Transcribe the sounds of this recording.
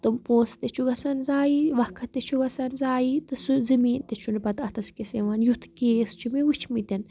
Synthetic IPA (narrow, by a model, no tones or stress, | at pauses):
t̪ɨmpoːst̪et͡ʃʰuɡɐsɐnzaːjiʋɐkʰɐt̪et͡ʃʰuɡɐsɐnzaːjit̪ɨsɨzɐmiːnt̪et͡ʃʰunpɐt̪ɐt̪ʰɐskeseʋanjut̪ʰkeːst͡ʃʰimiut͡ʃʰmit̪ʲɐn